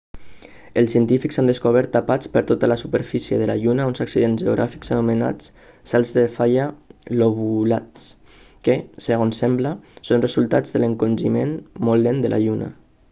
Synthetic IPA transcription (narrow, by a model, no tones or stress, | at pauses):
əlˠsiənt̪ifiksand̪əskoβ̞ɛɾt̪ːapat͡spəɾt̪ot̪ələsupəɾfisjəðəlaʎunaonzaksiðenzʒeoɣɾʔa̰fiksanuməna̰t͡s | salˠzðefajəloβulats | kesəɣ̞onsɛmbləsonrəzulˠt̪ad͡zðələŋkonʲʒimenmolːend̪əlʔa̰ʎuna̰